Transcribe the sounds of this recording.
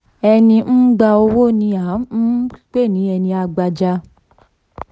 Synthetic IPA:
ɛ˧nĩ˧n̩˦ɡ͡ba˧o˧wo˦nĩ˧a˨˦n̩˦i˦k͡pe˦˨nĩ˨˦ɛ˧nĩ˧a˧ɡ͡ba˧d͡ʒa˧

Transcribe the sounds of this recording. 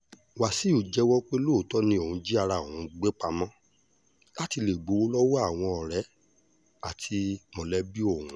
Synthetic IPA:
wa˨si˨˦u˨d͡ʒɛ˧wɔ˦k͡pe˦lo˦˨tɔ˦nĩ˧o˨ũ˨˧˦d͡ʒi˦a˧ɾa˧˨o˨ũ˨˧˦ɡ͡be˦k͡pa˧mɔ̃˦ | la˦ti˧le˨ɡ͡bo˨˦wo˦lɔ˦wɔ˦a˦˨w̃ɔ̃˧ɔ˨ɾɛ˨˦ | a˦˨tʰi˧mɔ̃˨lɛ˨˦bi˦o˦˨ũ˨˦

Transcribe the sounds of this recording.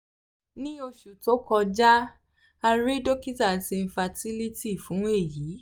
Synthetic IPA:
nĩ˦o˧ʃu˨to˨˦kɔ˧d͡ʒa˦ | a˧ɾe˦do˦ki˦ta˦˨ti˧fa˧ti˦li˦ti˦˨fũ˨˦e˦˨jiː˨˦

